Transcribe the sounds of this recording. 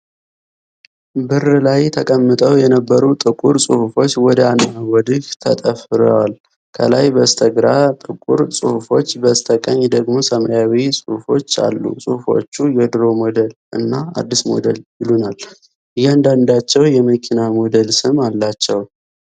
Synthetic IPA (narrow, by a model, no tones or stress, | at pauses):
bɨrɨlajt̪ʰəkʼəmːɨt̪ʼəwjɛnəbːəɾut̪ʼɨkʼuɾsʼɨhufo̞t͡ʃːwɔd̪əanawɔd̪ɨht̪ʰət̪ʼəfɨɾəwal | kʰə̰lajbəst̪ʰəɡɾat̪ʼɨkʼṵɾsʼɨhufo̞t͡ʃːbəst̪ʰəkʼəɲːd̪əɡmo̞səmajawisʼɨhufo̞t͡ʃːa̰lːṵsʼuhufo̞̰t͡ʃːujɛd̪ɨɾo̞mo̞d̪əlʔɨ̰nːaa̰d̪ːismo̞̰d̪əljɪlunal | ʔɨjɛand̪and̪at͡ʃːɛwjɛməkʰinamo̞d̪əlsɨmalːat͡ʃːɛw